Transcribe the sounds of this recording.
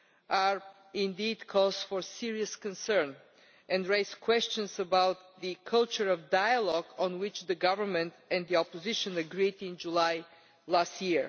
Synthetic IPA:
aɹ | ɪ̃nd̪id̪kʰɔzfɔɹsiɹiəskə̃nsə̃ɹn | ʔɛ̃ndɹeɪzkʰwɛst͡ʃɨ̃nsəbawt̪ðɨkʰʌlˠt͡ʃə˞ɔvdajəlɔɡɔ̃nwɪt͡ʃðəɡʌvə˞mɛ̃nt̪ɛ̃nd̪iɔpɔzɪʃə̃nəɡɹidɪ̃nd͡ʒulaj | last̪jiɹ

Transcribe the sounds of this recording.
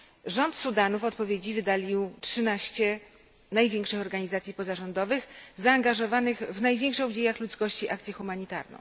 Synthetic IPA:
ʐɔnt̪sud̪anufɔt̪pɔvʲjed͡ʑivɘd̪alʲiwtʂɘnaɕt͡ɕɛ | najvʲjeŋkʂɘxɔɾɡaɲizat̪sʲjipɔzaʐɔnd̪ɔvɘxzaːŋɡaʐɔvanɘɣvnajvʲjeŋkʂɔ̃w̃d͡ʑejaxlut̪skɔɕt͡ɕiʔakt̪sʲjɛxumaɲit̪a̰ɾnɔ̰̃w̃

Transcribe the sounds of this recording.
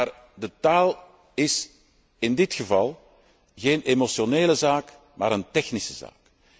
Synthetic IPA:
ar | dətaːlˠ | ɪs | ɪndɪtxəvɑlˠ | ɣeːnemosjoneːləzaːk | ma̰ːɾəntɛxnisəza̰ːk

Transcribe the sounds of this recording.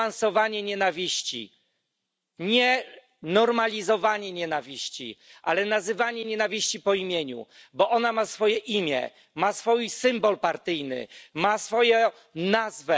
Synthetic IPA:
ansɔvaɲɛɲɛnavʲiɕt͡ɕḭ | ɲɛ | nɔɾmalʲizɔvaɲɛɲɛnavʲiɕt͡ɕḭʔalɛnazɘvaɲɛɲɛnavʲiɕt͡ɕipɔimʲjeɲṵbɔʔɔnamasfɔjɛʔimʲjɛ̰ | masfɔjsɘmbɔlpaɾt̪ɘjnɘ̰masfɔjɛ | nazvɛ

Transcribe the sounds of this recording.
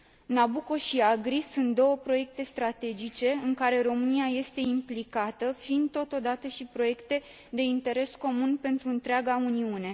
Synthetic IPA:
nabuko̞ʃiaɡɾisunt̪̚d̪o̞wəpɾo̞je̞k̚t̪e̞st̪ɾat̪e̞d͡ʒit͡ʃe̞ɨŋkaɾe̞ɾo̞mɨniaje̞st̪e̞implikat̪əfind̪̚t̪o̞t̪o̞d̪at̪əʃipɾo̞je̞kt̪e̞ | d̪e̞int̪e̞ɾe̞sko̞munpe̞nt̪ɾuɨnt̪ɾeaɡauniune̞

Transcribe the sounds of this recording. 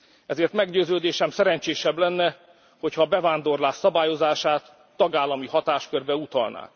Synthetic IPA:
ɛzeːrt̪mɛɡɟøːzøːd̪eːʃɛmsɛɾɛɲt͡ʃeːʃɛblɛnːɛ | ho̞chɒbɛvaːnd̪o̞rlaːʃːɒbaːjo̞zaːʃaːt̪ː | ɒɡaːlːɒmihɒt̪aːʃkørbɛut̪ɒ̰lnʔa̰ːk

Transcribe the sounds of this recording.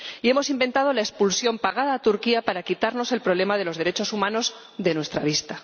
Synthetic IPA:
ie̞mo̞simbe̞nt̪að̞o̞laespulsjo̞mpaɣ̞að̞aːt̪uɾkiapaɾakit̪aɾno̞se̞lpɾole̞mað̞e̞lo̞zðe̞ɾet͡ʃosumãno̞z | ðe̞nwest̪ɾaβ̞ist̪a

